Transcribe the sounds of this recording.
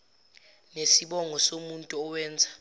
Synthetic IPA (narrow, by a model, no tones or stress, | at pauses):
nesiɓɔŋʱɔsomuntʼuɔwɛːnd͡zʱa